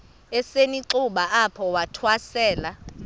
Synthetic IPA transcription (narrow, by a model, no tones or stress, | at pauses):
ɛseniǀuɓaapʰɔwatʰwasɛːla